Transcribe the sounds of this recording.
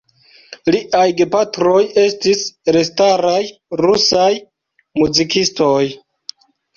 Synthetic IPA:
liʔajɡepatɾo̞je̞stisɾestaɾajɾusaj | muzikistoj

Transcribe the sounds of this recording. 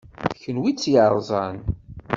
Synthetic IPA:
çənwit͡sːjəɾˤzˤɑn

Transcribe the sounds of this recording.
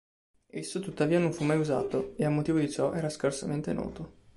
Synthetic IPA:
esːot̪ut̪ːaviːanoɱfumːajuza̰ːt̪oeamːot̪iːvod̪it͡ʃɔʔɛːɾaskarsament̪enɔ̰ːt̪o

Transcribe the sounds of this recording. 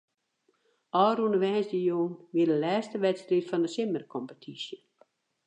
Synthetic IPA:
ɔːrunəʋɛːnsdəjoːnʋiədəlɛːstəʋɛtstritfɔndəsɪmərkʰɔmpətʰisjə

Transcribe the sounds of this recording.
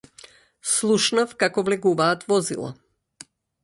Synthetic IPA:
slˠuʃnafkakɔvlɛɡuvaːt̪vɔzilˠa̰

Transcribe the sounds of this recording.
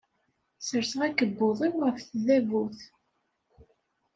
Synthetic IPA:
səɾsəʁækəbːoðˤiwʁəfθðævuθ

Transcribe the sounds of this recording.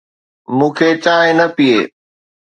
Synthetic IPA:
mũːkʰet͡ɕaːɦẽnɐpieː

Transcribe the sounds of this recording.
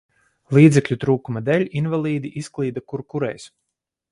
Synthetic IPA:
lˠiːd̪zɛklʲut̪ɾuːkumad̪ɛlʲinvalˠiːd̪iʔisklˠiːd̪akuɾkuɾɛ̰js

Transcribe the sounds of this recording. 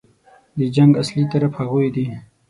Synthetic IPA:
d̪əd͡ʒaŋɡaslit̪ɐɾafaɣujd̪i

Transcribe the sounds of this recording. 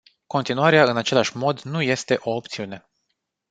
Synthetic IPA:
ko̞nt̪inuaɾeaɨnat͡ʃe̞laʃʲmo̞d̪nuje̞st̪e̞ʔo̞ːp̚t̪siune̞

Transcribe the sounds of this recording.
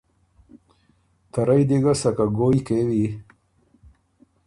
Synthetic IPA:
t̪aɾajd̪iɡasakaɡojkewi

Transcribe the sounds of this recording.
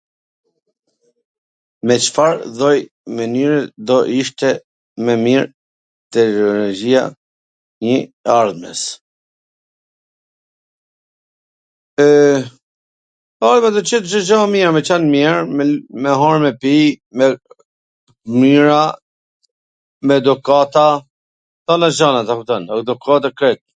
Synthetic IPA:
mɛt͡ʃə̥faɾðɔj | mənyɾɛd̪ɔʔiʃt̪ɛ | mɛmiɾ | t̪ɛɾɔlɔd͡ʒia̰ | ɲəaɾðmɛ̰s | aɾðmɛd̪ɔt͡ʃɛt̪ʃəʒamɛɾmɛt͡ʃanmɛɾmmɛɦɔɹmɛpimɛ | miɾa | mɛd̪ukat̪a | θanaʒanat̪akut̪ənad̪ukat̪̬akɾɛt̪̚

